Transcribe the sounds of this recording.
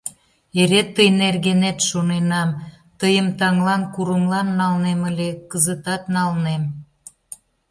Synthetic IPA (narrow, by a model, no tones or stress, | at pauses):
eɾet̪ːəjnerɣenet̪ʃonenɑm | t̪əjəmt̪ɑŋlɑnkuɾəmlɑnːɑlneməlʲekəzət̪ɑt̪nɑlnem